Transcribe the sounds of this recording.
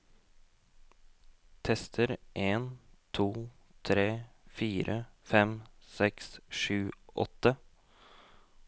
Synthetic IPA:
t̪ʰɛst̪ʰəɾʔeːnt̪ʰuːt̪ʰɾeːfiːɾʔəfɛmsɛksʂʉːʔɔ̰t̪ːə

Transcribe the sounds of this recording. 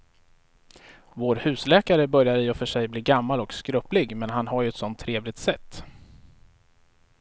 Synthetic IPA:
voːɾhʉ̟ːslɛːkaɾəbœɾjaɾɪɔfœʂɛjbliːɡamːalɔkskɾɵːplɪɡmɛnɦanɦaɾjɵɛt̪sɔnt̪ʰːɾeːvlɪɡ̚t̪sɛt̪ː

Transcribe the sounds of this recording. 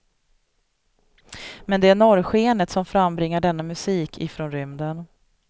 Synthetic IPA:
mɛnd̪ɛæɳɔɾɧeːnət̪sɔmfɾamːbɾɪŋːaɖɛnːamɵsiːkʰɪfɾonɾʏmd̪ən

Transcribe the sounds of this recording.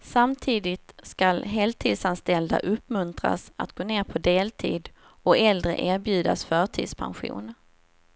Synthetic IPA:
samt̪ʰiːd̪ɪt̪skalɦeːlt̪ʰiːd̪sanst̪ɛld̪a̰ʔɵpːmɵnt̪ɾa̰sat̪ɡ̥oːneːɾpʰɔd̪eːlt̪ʰḭːd̪ | ɔɛld̪ɾə̰ʔeːɾbjʉ̟ːd̪a̰sfœːʈʰḭːd̪spʰa̰nɧṵːn

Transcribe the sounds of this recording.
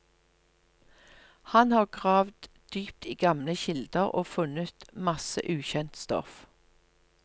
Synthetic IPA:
hɑnhɑːʁɡʁɑːʋd̪ | d̪̥yːp̚t̪iːɡɑmləçɪld̪əʁo̰ːfʉnət̪mɑsə̰ʔʉːçɛnt̪st̪ɔ̰f

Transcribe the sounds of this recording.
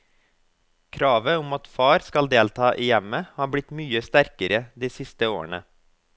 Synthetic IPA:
kʰɾɑːʋəʊmɑt̪fɑːɾskɑld̪eːlt̪ʰɑːʔijɛməhɑːbɽɪt̪myːəst̪æɾkəɾəd̪iːsɪst̪əoːə̰ɳə̰

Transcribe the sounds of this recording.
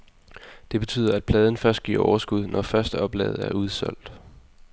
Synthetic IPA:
d̥e̝b̥e̝t͡sʰy̰ːð̰ˠɐæd̥̚pʰlɛːð̞ˠn̩fɶɐsd̥̚ɡ̥ḭɐ̰ʔɒ̰ʊɐsɡ̥uð̞ˠnʔɒfɶɐsd̥əɒ̽b̥lɛ̰ːð̞̩ˠæɐuð̞ˠsɒ̽l̰d̥

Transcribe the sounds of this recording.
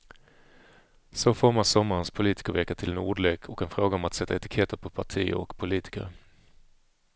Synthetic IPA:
soːfɔɾmasɔmːaɾənspʰʊliːt̪ɪ̥kəɾʋɛːkət̪ʰɪlɛnṵːɖlɛkʰɔkɛnfɾoːɡaɔmat̪sɛt̪ʰːaɛt̪ɪ̥kʰɛt̪əɾpʰɔpʰaʈʰḭːɔ̰kpʰʊliːt̪ʰɪ̥kə̰ɾ

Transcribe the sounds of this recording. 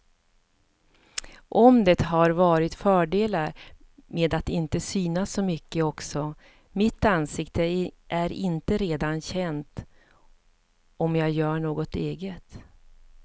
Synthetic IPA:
ʔɔmd̪ɛt̪ɦaɾvɑːɾɪt̪fœːɖeːlaɾmeːd̪at̪ɪnt̪əsyːnasːɔmʏkːəɔksɔ | mɪt̪ːansɪkt̪əʔæɾɪnt̪əɾeːd̪anɕɛnt̪ | ɔmjɑːɡjœːɳoːɡɔt̪eːɡət̪

